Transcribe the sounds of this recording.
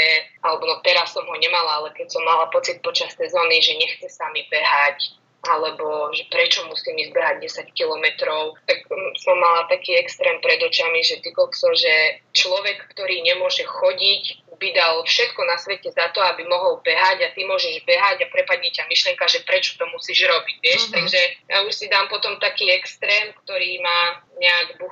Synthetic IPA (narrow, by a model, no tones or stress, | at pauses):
ɛʔalɛbɔnɔt̪ɛɾasːɔmɦɔɲɛmalaːlɛkɛcsɔmːalapɔt͡sit̪̚pɔt͡ʃasːɛzɔːniʒɛɲɛxt͡sɛsamibɛɦac | ʔalɛbɔʒɛpɾɛt͡ʃɔmusiːmizbɛɦaɟ̚dɛsackilɔmɛt̪ɾɔʊt̪aksɔmːalat̪akiːɛkst̪ɾɛːmpɾɛd̪ɔt͡ʃamiʒɛt̪ikɔlksɔʒɛt͡ʃlɔʋɛkːt̪ɔɾiːɲɛmʊɔʒɛxɔɟicbid̪alfʃɛt̪kɔnasʋɛcɛzat̪ɔabimɔɦɔlbɛɦaɟat̪imʊɔʒɛʒbɛɦaɟapɾɛpadɲicamiʃlɪɛŋkaʒɛpɾɛt͡ʃɔ̥t̪ɔmusiːʒɾɔbiɟʋɪɛʃt̪aɡʒɛjauʃsid̪aːmpɔt̪ɔmt̪akiːɛkst̪ɾɛːmkt̪ɔɾiːmaːɲɛaɡbux